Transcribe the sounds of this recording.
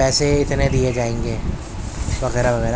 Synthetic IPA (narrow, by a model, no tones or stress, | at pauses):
ɛːseɪt̪ned̪ied͡ʒaːẽːŋɡeː | ʋɐɣɛːɾaʋɐɣɛːɾa